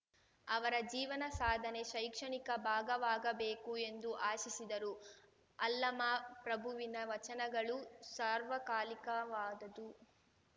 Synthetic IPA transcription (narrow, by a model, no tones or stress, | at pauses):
ɐʋɐɾɐd͡ʒiːʋɐnɐsaːd̪ʱɐne̞ʃɐjkʂɐɳikɐbʱaːɡɐʋaːɡɐbeːkue̞nd̪uʔaːʃisid̪ɐɾu | ɐlːɐmaːpɾɐbʱuʋinɐʋɐt͡ʃɐnɐɡɐɭusaːɾʋɐkaːlikɐʋaːd̪ɐd̪u